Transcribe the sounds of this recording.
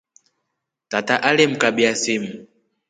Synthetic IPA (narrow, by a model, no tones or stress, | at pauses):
tataʔalem̩kaɓiasim̩